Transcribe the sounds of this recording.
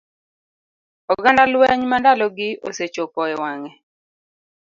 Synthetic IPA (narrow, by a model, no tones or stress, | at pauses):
ɔɡandalwɛɲmandalɔɡɪʔoset͡ʃopɔɛwaŋɛ